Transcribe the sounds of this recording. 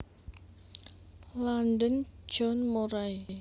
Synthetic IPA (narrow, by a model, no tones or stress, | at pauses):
lanɖənd͡ʒɔnmoɾaj